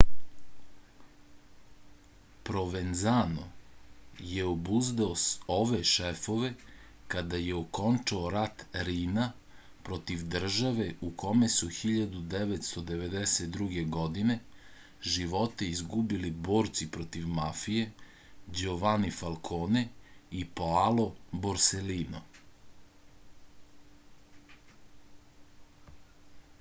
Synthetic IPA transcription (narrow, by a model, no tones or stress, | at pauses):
pɾo̞ʋenzano̰ | jeobuzd̪aoso̞ʋe̞ʃefo̞ʋe̞ | kad̪ajeoko̞nt͡ʃaoɾat̪ɾiːna | pɾo̞t̪iʋd̪r̩ʒaʋe̞ukʰo̞mesuxiʎad̪ud̪eʋet̪st̪o̞d̪e̞ʋe̞d̪eset̪̚d̪ɾuɡe̞ɡo̞d̪ine̞ | ʒiʋo̞t̪eizɡubilibo̞ːɾt̪sipɾot̪iʋmafije̞ | d͡ʑoʋanifalˠkʰoːneipoalo̞boɾseliːno̰